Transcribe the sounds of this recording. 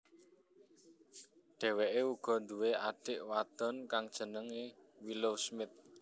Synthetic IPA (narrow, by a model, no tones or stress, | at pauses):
ɖ̪̥ɛ̤weʔeuɡ̥ɔ̤nd̪uweaɖ̥ɪʔwat̪ɔnkaŋd̥ʒ̥ə̤nəŋewilowsmɪt̪̚